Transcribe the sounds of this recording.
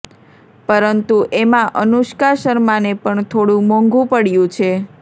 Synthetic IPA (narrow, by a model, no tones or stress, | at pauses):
pəɾənt̪uʔemãʔənuʃkaʃəɾmanepəɳt̪ʰoɽũmɔ̃ŋɡũpəɽjũt͡ʃʰe